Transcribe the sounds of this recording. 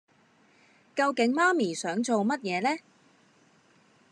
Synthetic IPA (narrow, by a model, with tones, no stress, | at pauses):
kɐ˧wkɪ˨˥ŋmaː˥miː˨˩sœː˨˥ŋt͡so˨wmɐ˥t̚jɛː˨˧lɛː˥